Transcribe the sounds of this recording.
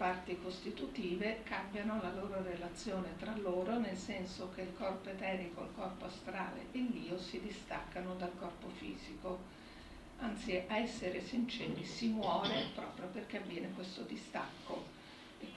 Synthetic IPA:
part̪ikost̪it̪ut̪iːvekambjanolaloːɾorelat̪sːjoːnet̪ɾalːoːɾonelsɛnsok̟eilkɔrpoet̪ɛːɾikoḭlkɔrpoast̪ɾaːlḛʔelːiːosid̪ist̪akːanod̪alkɔrpofḭːz̥iko | ant̪siʔaɛsːeɾesint͡ʃɛːɾisimwɔːɾepɾɔːpɾjoperk̟eavːjɛːnekwest̪od̪ist̪a̰kːo | e

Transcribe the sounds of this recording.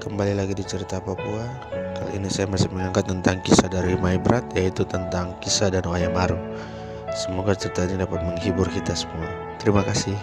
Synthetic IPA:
kəmbalilaɡidit͡ʃəɾit̪apapua | kalo̰inisajamasɪhməŋaŋkat̪ːənt̪aŋkisadaɾimaibəɾʔat̪jait̪ut̪ənt̪aŋkisadanuajamaɾu | səmoɡat͡ʃəɾit̪ainidapat̪̚məŋhibʊrkit̪asə̥mua | t̪əɾimakasɪh

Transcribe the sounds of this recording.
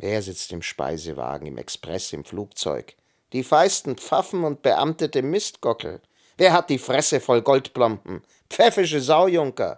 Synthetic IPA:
veːɐzɪt͡stɪmʃpa̰ɪzə̰va̰ːɡŋ̩ɪ̰mʔɛ̰kspʁ̥ɛsɪ̰mfluːkt͡sɔ̰ʏk | d̥iːfaɪstn̩p͡fafn̩ʊnt̚b̥əʔa̰mtədemːɪstɡ̥ɔkl̩ | veːɐɦat̚d̥iːfʁ̥ɛsəfɔlɡɔltb̥lɔmbm̩ | pp͡fɛfɪʃ̬əzaʊjʊŋkɐ̰

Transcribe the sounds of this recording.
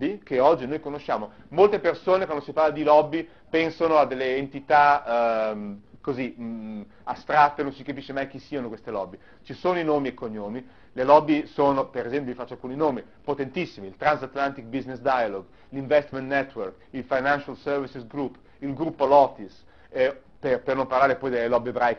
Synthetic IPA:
bːikeɔd͡ʒːinojkonoʃːaːmo | molt̪epersoːnekwand̪osiparlad̪ilɔbːi | pɛnsonoad̪ːelːeːnt̪it̪a | mkozi | ast̪ɾat̪ːenõnsikapiʃemajk̟isːianokwest̪elɔ̰bːi | t͡ʃisoːnoinoːmiekːoɲːoːmi | lelɔbːisoːnopeɾezɛmpjoifat͡ʃːoalkuːninoːmi | pot̪ent̪isːimiilt̪ɾansat̪lant̪ik̚biznesd̪ajaloɡ | liɱvɛst̪mẽnt̪nɛt̪ːwerk | ilfajnanʃalsɛrvisisɡɾupː | ilɡɾupːolɔːt̪is | perpernomparlaːɾepɔjd̪elːelɔbiebɾajk

